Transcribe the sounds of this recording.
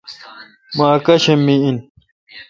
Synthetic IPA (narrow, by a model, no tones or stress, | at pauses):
maːkɐɕɐmːiin